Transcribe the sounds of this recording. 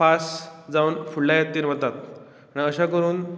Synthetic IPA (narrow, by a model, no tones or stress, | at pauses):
fasd͡zaunfuɽlajet̪ːiːɾm̤ət̪at̪̚ | aɽ̃iəɕakəɾuːn